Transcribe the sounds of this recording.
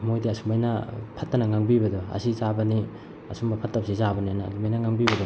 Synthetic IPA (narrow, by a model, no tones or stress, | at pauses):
mojdiɐsuŋmbajnɐpʰɐtːɐnɐŋaŋbibɐdɔɐ̰sizabɐni | ɐsumbɐpʰɐtːɐp̚sizabɐniajna̰ːdumbajnɐŋaŋbibɐdɔ